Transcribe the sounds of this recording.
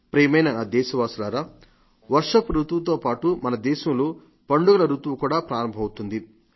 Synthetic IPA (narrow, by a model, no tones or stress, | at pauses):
pɾeːmɐjnɐnaːd̪ɛːʃɐʋaːsulaːɾaː | ʋɐɾʂɐpɾut̪ʋɐt̪̬o̞ːpaːʈumɐnɐd̪ɛːʃɐmloː | pɐɳɖuɡɐlɐɾut̪ʋɐkuːɽaːpɾaːɾɐmbʱɐmɐut̪und̪i